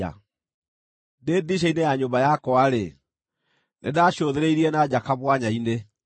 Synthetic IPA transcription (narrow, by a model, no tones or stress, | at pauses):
a̰ | deːdiɕ̬ainejaɲombajakɔaɾe | nḛdaːɕoðeɾeiɾiɛnad͡ʑakaβwaɲaine